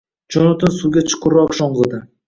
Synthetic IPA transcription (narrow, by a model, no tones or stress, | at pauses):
d͡ʒɒnʊt̪ɪnsuɡʲat͡ʃʰɨ̥qʊɾɒqʃɒɴɢɨd̪ɪ